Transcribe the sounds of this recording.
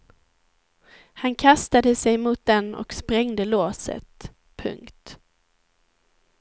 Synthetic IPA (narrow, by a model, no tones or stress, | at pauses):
hankʰast̪ad̪əsɛjmuːt̪̚d̪ɛnɔ̰kspɾɛŋd̪əloːsə̰t̪ | pʰɵ̰ŋkt̪